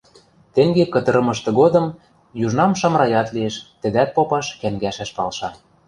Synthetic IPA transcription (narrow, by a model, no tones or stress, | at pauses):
t̪ĕŋɡekɤ̆t̪ɤ̆ɾɤ̆mɤ̆ʃt̪ɤ̆ɡod̪ɤ̆m | juʒnɑmʃɑmɾɑjɑt̪lieʃt̪ə̆d̪æt̪̚popɑʃkæŋɡæʃæʃpɑlʃɑ